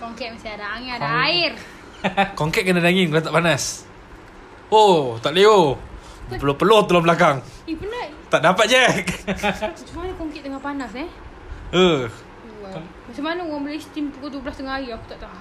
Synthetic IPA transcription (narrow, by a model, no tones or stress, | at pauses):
koŋkɛt̪̚masiadaaŋadaaɪr | koŋkɛʔ̪̚kənadaŋiŋkəlat̪aʔpanas | ot̪aʔleo | əlopəloht̪əlobəlakaŋipənə | t̪aʔdapat̪̚d͡ʒɛk̚ | t͡ʃumanəkoŋkɛʔ̚d̪əŋapanasɛ | ə | masəmanəwaməlest̪impukut̪ublast̪əŋaajiaku̥t̪aʔt̪a